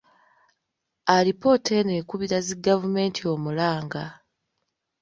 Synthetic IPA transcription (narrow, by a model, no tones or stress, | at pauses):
aɾipo̞tʰe̞neːkuβiɾaziɡavume̞ːntio̞ːmulaːŋɡa